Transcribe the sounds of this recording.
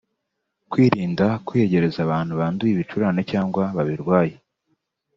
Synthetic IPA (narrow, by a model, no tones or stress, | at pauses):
kwiːɾiːndakwieɟe̞ɾe̞zaβaːn̥huβaːndujiβit͡ʃuɾaːne̞caːŋɡwaβaβiɾɡwaːje